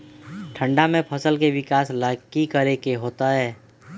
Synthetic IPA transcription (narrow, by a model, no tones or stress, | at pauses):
ʈʰə̃ɳɖamẽpʰəsəlkeʋɪkaːslakikəɾekeɦoːt̪aɦɛː